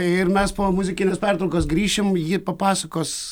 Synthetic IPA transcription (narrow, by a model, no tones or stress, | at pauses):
ɪɾmʲɛspoːmʊzʲɪkʲɪnʲɛːspʲæɾt̪ɾɐʊkoːsɡɾʲiːʃʲɪmjiːpɐpɑːsɐkoːs